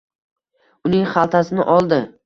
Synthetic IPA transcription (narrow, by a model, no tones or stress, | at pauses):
ʊnɪŋχalˠt̪ʰasɪnɪʔɒlˠd̪ɪ